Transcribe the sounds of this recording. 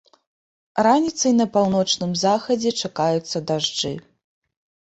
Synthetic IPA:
ranʲit̪sɐjnɐpawnɔt͡ʂnɨmzaxɐd͡zʲɛt͡ʂakajut̪sːɐd̪aʐd͡ʐɨ̰

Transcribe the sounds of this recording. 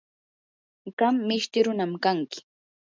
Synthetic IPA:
ɢɑmːɪʃt̪ɪɾʊnamkaŋkɪ̥

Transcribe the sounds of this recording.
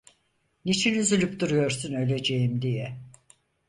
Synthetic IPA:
nit͡ʃʰinyzylʲyp̚d̪uɾujo̞ɾsunø̞lʲe̞d͡ʒe̞jimd̪ijɛ

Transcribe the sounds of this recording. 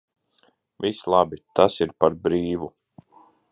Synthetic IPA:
vislˠabit̪asiɾpaɾbɾiːvu

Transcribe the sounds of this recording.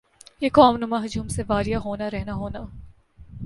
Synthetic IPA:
jekɔːmnʊmaɦɐd͡ʒuːmseʋaːɾjaɦoːnaɾɛɦnaɦoːnaː

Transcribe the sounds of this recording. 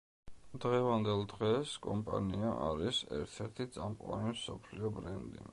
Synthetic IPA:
d̪̥ʁɛvand̪ɛlˠd̪ʁɛskʼɔmpʼa̰niaʔaɾisɛ̰ɾt̪ʰɛɾt̪ʰit̪sʼamqʼwa̰nimsɔpʰliɔbɾɛnd̪ḭ

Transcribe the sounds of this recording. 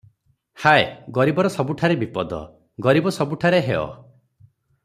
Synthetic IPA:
haeɡɔɾibɔɾɔsɔbuʈʰaɾebipɔd̪ɔ̰ | ɡɔɾibɔsɔbuʈʰaɾeɦeɔ̰

